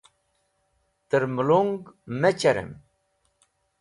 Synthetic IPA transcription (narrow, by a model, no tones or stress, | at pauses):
t̪əɾmuluŋɡmet͡ɕɐɾḛm